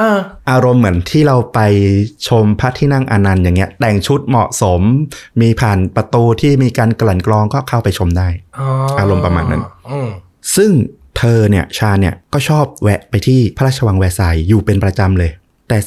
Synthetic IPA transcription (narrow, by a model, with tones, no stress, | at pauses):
ʔaː˧˩ʔaː˧ɾo˧mːɯ˩˦ənt̪ʰiː˥˩ɾa˧wpa˧jt͡ɕʰo˧mpʰa˦˥t̪ʰiː˥˩na˥˩ŋʔa˧na˧njaː˨˩ŋːi˦˥ɐt̪ɛ˨˩ŋt͡ɕʰu˦˥t̪̚mɔ˨˩ʔso˩˦mmiː˧pʰaː˨˩npɾa˧t̪uː˧t̪ʰiː˥˩miː˧kaː˧nkla˨˩˦nklɔː˧ŋkɔː˥˩kʰa˥˩wpa˧jt͡ɕʰo˧mdaː˥˩jʔaː˧ɾo˧mpɾa˧ma̰ː˧nːa̰˦˥n | sɯ˥˩ŋ | t̪ʰɤː˧ni˥˩ɐt͡ɕʰaː˧nːi˥˩ɐkɔː˥˩t͡ɕʰɔː˥˩p̚wɛ˦˥ʔpa˧jt̪ʰiː˥˩pʰa˦ɾaː˥˩t͡ɕʰa˧wa˧ŋwɛ˦˥sa˨˧˩jːuː˨˩pe˧npɾa˧t͡ɕa˧mlɤː˧j | t̪ɛː˨˩